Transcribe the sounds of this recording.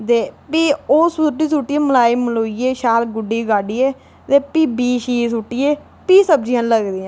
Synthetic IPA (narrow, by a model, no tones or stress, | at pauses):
d̪eːpiːoːsʊʈːiːsuʈːiẽːməlaːiːmloːieːʃaːlɡʊɖiːɡaːɖiːeː | t̪eːpiːbiːʃiːsuʈːiːeː | piːsəb̚d͡ʒiãːnləɡd̪iːɛ̃ː